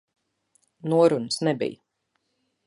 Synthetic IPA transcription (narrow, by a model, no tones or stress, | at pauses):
nuɔɾunəsnɛbḭjə